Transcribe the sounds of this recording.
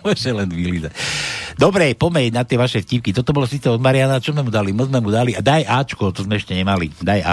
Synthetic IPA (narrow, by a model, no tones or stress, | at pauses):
ɔʒɛlɛnʋiliza̰d̪ɔbɾɛpɔmɛjnat̪ɪɛʋaʃɛfcipkit̪ɔt̪ɔbɔlɔsiːt͡sɛɔd̪maɾɪanat͡ʃɔzmɛmud̪alimɔzmɛmud̪aliad̪ajʔaːt͡ʃkuɔt̪ɔzmɛɛʃcɛɲɛmalḭd̪aja